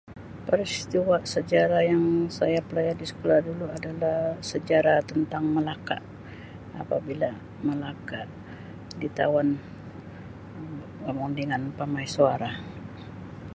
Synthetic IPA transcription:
pəɾist̪iwaʔsəd͡ʒaɾajaŋsajapəlajardisə̥kolahduluadalahsəd͡ʒaɾat̪ənt̪aŋməlaka̰ʔ | a̰pabila | məlakaʔ | dit̪a̰wan | amuŋdəŋanpamajsuaɾa

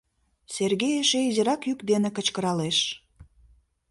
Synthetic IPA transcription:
serɣejeʃeizeɾɑkjykd̪enĕkə̆t͡ɕkəɾɑleʃ

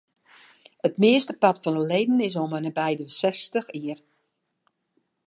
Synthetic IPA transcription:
ətmɪəstəpɑtfɔnəlejdn̩ɪs̬omənəbɛjdəsɛstəxiər

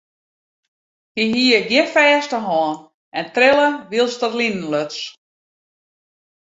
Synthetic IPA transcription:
hiɦiəɡjɪnfɛːstəɦɔːn | ʔɛntrɪlˠəʋiəlˠstərlinən̩løts

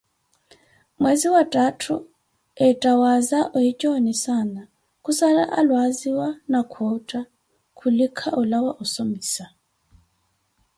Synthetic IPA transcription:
mweziwatʼatʰṵ | ɛtʼawazaʔɔjit͡ʃʼɔnisana | kʼusala̰ʔalwaziwanakʰwɔtʼa | kʰulikʰaʔɔlawaʔɔsombiːsa

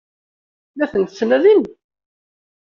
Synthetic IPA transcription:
læθənt̪əsːnæðin

